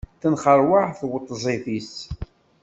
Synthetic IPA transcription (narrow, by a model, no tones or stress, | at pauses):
θənχəɾˤwaħθwət̪ˤːzˤiθis